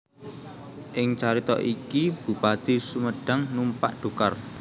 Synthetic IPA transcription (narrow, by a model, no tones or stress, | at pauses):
ʔɪŋt͡ʃaɾit̪ɔ̰ʔikib̥ṳpat̪isuməɖ̥a̤ŋnumpa̰ʔɖ̪̥ṳkar